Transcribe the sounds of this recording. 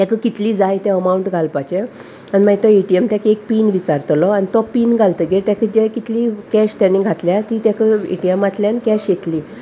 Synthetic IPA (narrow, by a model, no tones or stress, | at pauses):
t̪ãkəkit̪liːd͡zajt̪ɛ̃əmauɳʈɡʱalpat͡ɕe | animəɡt̪ɔeʈiemt̪jãkek̚piːnʋit͡saɾt̪lɔanit̪ɔpiːnɡʱalt̪əɡet̪jãkəd͡ʑekit̪likɛɕt̪jãniɡʱat̪ljat̪it̪jakəḛʈiemat̪ljãnkɛɕjet̪liː